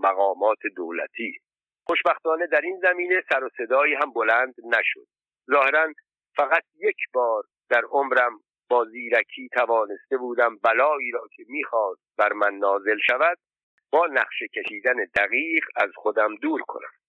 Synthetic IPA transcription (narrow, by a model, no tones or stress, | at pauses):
mæɣɒːmɒːt̪ʰe̞d̪oːlæ̰t̪ʰiː | χo̞ʃbæxt̪ɒːne̞d̪æɾinzæmiːne̞sæɾose̞d̪ɒːiːɦæmbo̞lænd̪næʃo̰d̪̥̚ | zɒːhe̞ɾæn | fæɣæt̪̚ʰje̞cʰbɒːɾ | d̪̥æɾomɾæm | b̥ɒːziːɾækʰiːt̪ʰævɒːne̞st̪e̞buːd̪æmbælɒːiːɾɒːcʰe̞miːxɒːst̪̚bæɾmænːɒːze̞lʃævæd̪̚ | bɒːnæχʃe̞cʰeʃiːd̪æned̪æɣiːʁɢæzxod̪æmd̪uːɾkʰo̞̰næ̰m